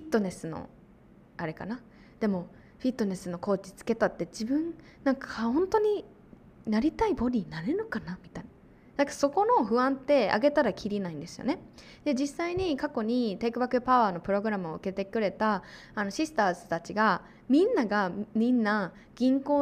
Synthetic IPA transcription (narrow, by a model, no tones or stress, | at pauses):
ɸʲit̪ːo̞ne̞sɨno̞̰ | aɾe̞ka̰na | d̪̥e̞mo̞ | ɸʲit̪ːo̞ne̞sɨno̞ko̞ːt͡ɕi̥t͡sɨ̥ke̞t̪at̪ːe̞d͡ʑibɯ̟̃n | nãŋkʰahõ̞nt̪o̞ɲ̟i | naɾʲit̪aibo̞ɾʲinaɾenokanamʲit̪aina | nakaso̞ko̞no̞ɸɯ̟βãnt̪e̞a̰ɡe̞t̪aɾakʲiɾʲinaĩnd̪e̞sɨjo̞̰ne̞ | d̪e̞d͡ʑisːaiɲ̟ikako̞ɲ̟it̪e̞ːkɯ̟bakɯpaaːno̞pɯ̟ɾo̞ɡɯ̟ɾamɯ̟oɯke̞t̪e̞kɯ̟ɾe̞t̪aano̞ɕisɨ̥t̪aːsɨ̥t̪at͡ɕiɡa | mʲĩnːaɡamʲĩnːa | ɡ̥ʲĩŋko̞ː